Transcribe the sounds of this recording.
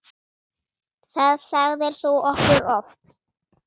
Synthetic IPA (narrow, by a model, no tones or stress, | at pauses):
θaðsaɣðɛɾ̥θuɔhkʏɾɔfp